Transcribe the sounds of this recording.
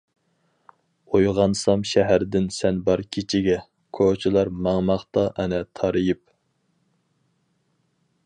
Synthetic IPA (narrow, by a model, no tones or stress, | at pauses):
ojʁɑnsɑmʃɛɦæɾd̪ɪnsɛnbɑɾkʲʰit͡ʃʰɪɡʲɛ | kʰot͡ʃʰilˠɑɾmɑŋmɑχt̪ɑʔɛnɛt̪ʰɑɾɨjip̚